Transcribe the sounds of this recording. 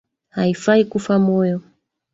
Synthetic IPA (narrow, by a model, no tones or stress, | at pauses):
haifaikufamɔjɔ